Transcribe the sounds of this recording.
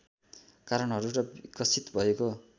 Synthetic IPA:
kaɾʌnɦʌɾuɾʌbikʌsit̪bʱʌeko

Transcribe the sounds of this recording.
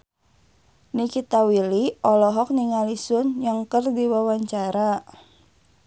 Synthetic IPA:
nikit̪awiliɔlɔɦɔk̚niŋalisʊnjaŋkərdiwawaɲt͡ʃaɾa

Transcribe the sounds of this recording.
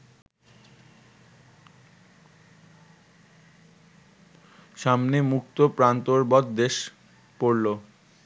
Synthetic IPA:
ʃamnemukt̪opɾant̪oɾbɔt̪d̪eʃ | poɾlo

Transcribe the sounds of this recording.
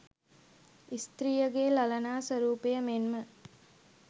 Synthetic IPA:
ist̪ɾijəɡeːlɐlɐnaːsɐɾuːpejəmenmə

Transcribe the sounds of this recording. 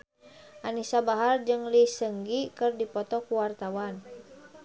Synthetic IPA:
ʔanisabaɦard͡ʒɨŋlisəŋɡikɨrdipɔt̪ɔkuwart̪awan

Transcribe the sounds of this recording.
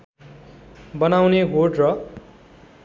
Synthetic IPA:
bʌnawneɦoʈrʌ

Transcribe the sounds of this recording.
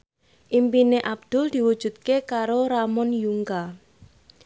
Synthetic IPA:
ʔimpineʔab̚d̪̥ʊ̤ld̪̥i̤wud̥ʒ̥ṳt̪̚kekaɾoɾamɔnjuŋka

